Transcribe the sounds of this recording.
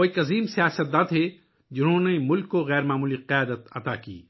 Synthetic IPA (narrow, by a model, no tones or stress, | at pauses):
oːikɐziːmsijaːsət̪̚d̪aːt̪ʰɦe | d͡ʒɪnɦõnemʊlkːoɣɛːɾmaːmuːliqɪjaːd̪ət̪ɐt̪akḭː